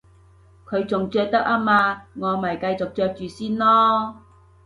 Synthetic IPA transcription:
kʰɵ˨˧ɥt͡sʊ˨ŋt͡sœː˧k̚t̪ɐ˥k̚aː˥maː˧ŋɔː˨˧mɐ˨˩jkɐ˧jt͡sʊ˨k̚t͡ʃœː˧k̚t͡ʃyː˨siː˥nlɔː˥

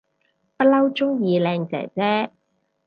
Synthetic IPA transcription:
pɐ˥t̚lɐ˥wt͡ʃʊ˥ŋjiː˨˧lɛː˧ŋt͡sɛ̰ː˨˩t͡sɛː˥

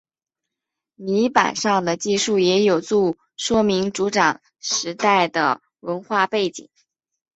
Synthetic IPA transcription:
ni˧˥pa̰˨˩nʂɑ˥˩ŋd̪ə˩t͡ɕi˥˧ʂu˥˩jɛ˧˥jo˨˩ʊt͡su˥˩ | ʂwɔ˥mi˧˥ŋʈ͡ʂu˧˥ʈ͡ʂɑ˨˩ŋ | ʂɻ̩˧˥t̪a˥˩ɪd̪ə̰˩ | wə˧˥nxwa˥˧pe˥˩ɪt͡ɕḭ˨˩˦ŋ

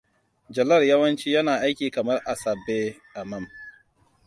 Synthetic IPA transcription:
d͡ʒɐ˨lɐ˦˨rjɐ˦wɐ˦nt͡ʃiː˦jɐ˦naː˨ʔa˦jkʲiː˨kɐ˨mɐ˦rʔa˨sɐ˨bːe˦ʔa˨mɐ˦˨m

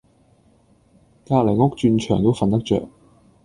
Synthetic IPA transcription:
kaː˧k̚le˨˩jŋʊ˥k̚t͡ʃyː˧nt͡ʃʰœ̰ː˨˩ŋt̪o˥wfɐ˨nt̪ɐ˥k̚t͡ʃœ̰ː˨k̚

